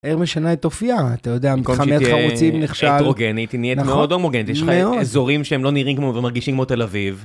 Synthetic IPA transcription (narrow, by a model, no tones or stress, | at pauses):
eʁmeʃanaet̪ːofiaːt̪ajod̪eamitkamiataʁut͡simbneχʃalʁoɡenit̪iniemeod̪omoɡenit̪eɛʃmmeodezo̞ʁimʃeemlo̞niʁimkmovemaʁɡiʃimkmot̪elaviv